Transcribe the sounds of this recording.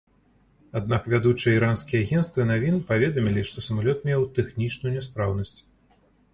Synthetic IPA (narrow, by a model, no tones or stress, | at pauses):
ad̪̚nakvʲad̪ut͡ʂɨjɛiɾanskʲijɛaɣʲɛnst̪vɨnavʲinɨpavʲɛd̪ɐmʲilʲiʂt̪ɔsɐmalʲɔt̪̚mʲɛwt̪ɛxnʲit͡ʂnujunʲɛspɾawnɐsʲt͡sʲ